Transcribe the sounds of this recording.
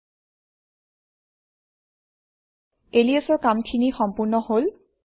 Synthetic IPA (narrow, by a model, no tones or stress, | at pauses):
elijasɔɹkamkʰinixɔmpuɹnɔhol